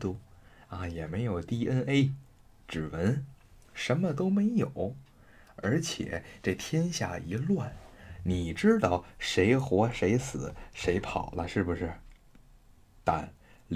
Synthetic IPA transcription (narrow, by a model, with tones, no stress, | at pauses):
t̪u˥˩ | a˥˧jɛ˨˩me˧˥ɪjo˨˩ʊt̪i˥˧ʔə˥nʔe˥ɪ | ʈ͡ʂɻ̩˨˩wə˧˥n | ʂə˧˥nmə˧t̪̬o˥ʊme˧˥ɪjo˨˩˦ʊ | ə̰˞˧˥t͡ɕʰjɛ̰˨˩˦t͡sa˥˩ɪt̪ʰjɛ˥nɕja̰˥˩i˧˥lwa˥˩nni˨˩ʈ͡ʂɻ̩˥t̪ɑ˥˩ʊʂe˧˥ɪxwɔ˧˥ʂe˧˥ɪsɹ̩˨˩˦ʂe˧˥ɪpʰɑ̰˨˩ʊlə˦ʂɻ̩˥˩bu˩ʂɻ̩˥˩ | t̪a̰˥˩n | l